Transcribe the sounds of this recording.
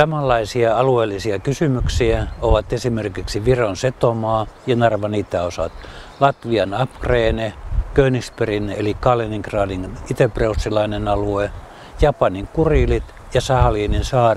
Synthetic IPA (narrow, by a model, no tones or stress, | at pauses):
sɑmɑlːɑisiɑɑlueːlːisiɑkysymyksiæoʋɑt̪esimerkiksiʋironset̪omɑːjɑnɑrʋɑniːt̪æosɑ̰t̪lɑt̪ʋiɑnɑpkreːnekøynisperinḛlikɑːleniŋkrɑːdinit̪epreusːilɑinenɑlue | jɑpɑniŋkuriːlit̪ | jɑsɑhɑliːninsɑːr